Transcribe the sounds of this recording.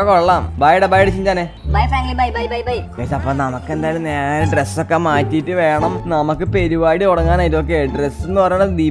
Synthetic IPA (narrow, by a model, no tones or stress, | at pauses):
koɭːaːmbajɽebaːjɽet͡ɕːiɲd͡ʑaːne | bɐjfaŋɡibajbjbjbajkeːsɐpːoːnɐmɐkːe̞nd̪aːjilumneːɾɐɖresːokːemaːtːiːtːɨʋe̞ːɳɐmnɐmɐkːɨpe̞ɾuʋaːɽioɽɐŋːaːnaːjit̪ok̬ːeɖresenːɨpɐrɐjuɳɐd̪iː